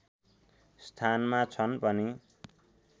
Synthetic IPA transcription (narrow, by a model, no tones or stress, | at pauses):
st̪ʰanmat͡sʰʌnpʌni